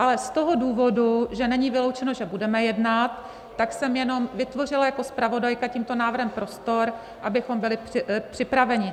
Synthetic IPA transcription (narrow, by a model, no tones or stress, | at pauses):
ʔalɛst̪o̞ɦo̞duːvo̞duʒɛnɛɲivɪlo̞wt͡ʃɛno̞ʒɛbudɛmɛjɛdnat̪ː | aksɛmjɛno̞mvɪt̪vo̞r̝ɪlajako̞spɾavo̞dajkaciːmt̪onaːvr̩ɦɛmpɾo̞st̪o̞ɾ | ʔabɪxo̞mbɪlɪpɪpr̥ɪpɾavɛɲɪ